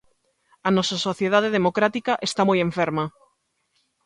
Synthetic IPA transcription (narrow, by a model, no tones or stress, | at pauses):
ɐnɔsasoθjeðað̞eðemokɾat̪ikaʔest̪amojeɱfeɾmɐ